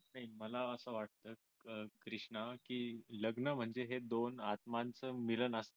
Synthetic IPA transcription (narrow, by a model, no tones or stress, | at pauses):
naɦiməlaəsəʋaʈ̚t̪əː | əkɾiʂɳəkiːləɡnəm̤əɳd͡zeɦed̪onat̪̚mant͡səːmilənəs